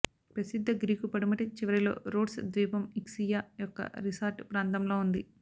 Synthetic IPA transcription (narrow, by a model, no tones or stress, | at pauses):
pɾɐsid̪ʱːɐɡɾiːkupɐɽumɐʈit͡ʃiʋɐɾilo̞̰ːɾoːɖsd̪ʋiːpɐmiksijaːjɔkːɐ̰ɾisaːɾʈpɾaːnt̪ɐmlo̞ːund̪i